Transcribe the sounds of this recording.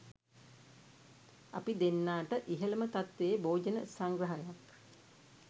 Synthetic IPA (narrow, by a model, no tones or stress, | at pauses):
a̰pid̪enːaːʈəʔiɦələmət̪at̪ʋeːboːd͡ʒənə̰saŋɡɾəɦajak